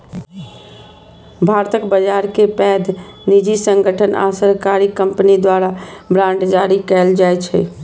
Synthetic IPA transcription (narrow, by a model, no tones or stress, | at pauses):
bʱaɾt̪əkbəd͡ʒaɾkepɛːd̪nid͡ʒisəŋɡʱəʈʰəna̰səɾkaɾikəmpnid̪waɾabɾãɳɖd͡ʒaɾikɛld͡ʒajt͡ʃʰɛ̰